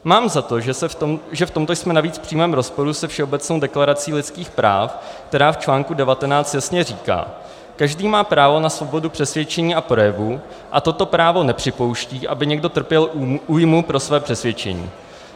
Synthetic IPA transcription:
maːmzat̪o̞ʒɛʒɛft̪o̞mt̪o̞jsmɛnaviːt͡sfpr̝̥iːmɛːmɾo̞spo̞ɾusɛfʃɛobɛt͡snowdɛklaɾat͡siːlɪt͡skiːxpɾa̰ːfkk̚t̪ɛɾaːft͡ʃlaːŋkudɛvat̪ɛnaːt͡st̪jasɲɛriːka̰ː | kaʒdiːmaːpɾaːvo̞nasvo̞bo̞dupr̝̥ɛsvjɛt͡ʃɛɲiːʔapɾo̞jɛvu | ʔa̰t̪o̞t̪o̞pɾaːvo̞nɛpr̥ɪpo̞wʃciːʔabɪɲɛɡdo̞t̪r̩pjɛluːjmupɾo̞svɛːpr̝̥ɛsvjɛt͡ʃɛ̰ɲḭː

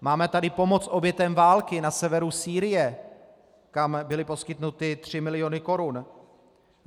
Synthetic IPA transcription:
maːmɛt̪adɪpo̞mo̞t͡sʔo̞bjɛt̪ɛmvaːlkɪnasɛvɛɾusiːɾɪjɛ | kambɪlɪpo̞skɪt̪nut̪ɪt̪r̝̥ɪmɪlɪjo̞nɪko̞ɾun

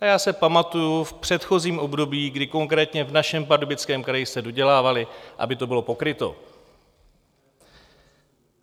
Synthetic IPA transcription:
ajaːsɛpamat̪ujufpr̝̥ɛt̪xo̞ziːmʔo̞bdo̞biːɡdɪko̞ŋkɾɛːt̪ɲɛvnaʃɛmp̬adobɪt͡skɛːmkɾajɪsɛdo̞ɟɛlaːvalɪʔa̰bɪt̪o̞bɪlo̞po̞kɾɪt̪o̞̰

